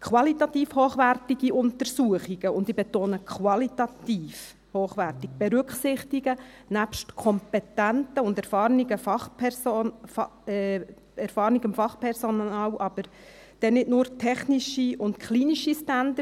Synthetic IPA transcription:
kʰwɑlitɑt̪iːfhoːχʋærtiɡiʔʊntəɾsuəχiɡ̥əʊndibɛt̪oːnəkʰwɑlit̪ɑt̪iːf | hoːχʋærtik̚b̥ɛɾʏkχsɪχtiɡə | næpʃtkʰɔmpɛt̪æntəʊndɛɾfɑːrniɡəfɑχpɛ | ɛɾfɑːɾniɡɪmfɑχpʰɛɾsɔnɑːlʔɑb̥əɾ | d̥ɛnɪdnʊːɾtʰɛχniʃiʊntkʰχliːniʃistændə

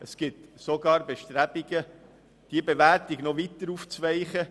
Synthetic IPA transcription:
əsɡ̥ɪt̪soɡɑːɾbeʃtɾæb̥iɡə | d̥iəbeʋæɾtiɡnɔʋit̪əɾuft͡sʋɛɪχə

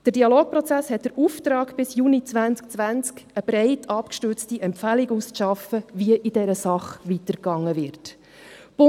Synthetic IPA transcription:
d̥əɾdiɑloːk̚pɾɔt͡sæshɛt̚d̥əɾuft̪ɾɑːɡb̥ɪsjunit͡sʋænt͡sk̚t͡sʋænt͡skəb̥ɾɛɪtʰɑpkʃtʏɾt͡stiʔɛmpfæliɡusʃɑfəviəʔidɛɾəsɑχʋitəɾɡɑŋːəvɪɾt | b̥ʊ

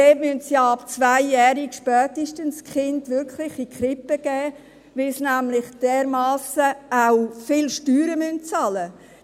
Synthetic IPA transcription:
deːtmyntsjɑːɑpt͡svaɪːɛːɾikʃpœːtiʃtənskχɪndʋɪɾkχlɪχikχɾɪpəɡ̥ɛː | ʋɪlsnæmlɪχd̥ɛːɾmɑːsəawfɪlʃtyːɾəmynt̚t͡sɑlə

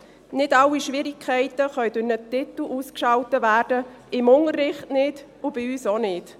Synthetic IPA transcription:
nɪdɑlːiʃʋɪɾɪkʰχɛɪtəχœʏdʊnətɪt̪l̩ʔuːskʃɑwtəvæːrd̥ə | ɪmʊŋərːɪχtnɪd | ʊb̥ɪyːsonɪt

